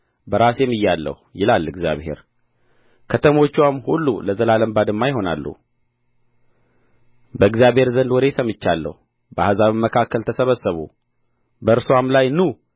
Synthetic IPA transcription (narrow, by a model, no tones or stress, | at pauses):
bəɾasjɛmːɨjːalːə̰hujɪlalːɨɡzja̰βhe̞̰ɾ | kʰət̪ʰəmo̞t͡ʃːwamhulːuləzəlaləmbad̪ɨmːajɪɦo̞na̰lːṵ | bəɨɡzjaβhe̞ɾzənd̪wɔɾesəmɨt͡ʃːalːə̰hu | bəahazaβmːəkʰakʰːəlt̪ʰəsəβəsːəβṵ | bəɨɾsamlajnu